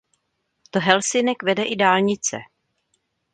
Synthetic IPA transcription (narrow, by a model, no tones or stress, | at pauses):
t̪oɦɛlsɪnɛkvɛdɛʔɪdaːlɲɪt͡sɛ̰